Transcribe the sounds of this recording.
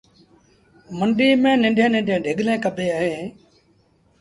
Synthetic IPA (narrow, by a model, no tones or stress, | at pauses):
məɳɖiːmẽːnɪ̃ɳɖʱẽːnɪ̃ɳɖʱẽːɖʱɪɠlẽːkəbʱeːaːɦẽː